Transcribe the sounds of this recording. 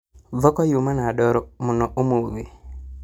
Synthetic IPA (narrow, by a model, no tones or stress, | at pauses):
vɔkɔjumanaɗɔɾɔmunɔʔomuwe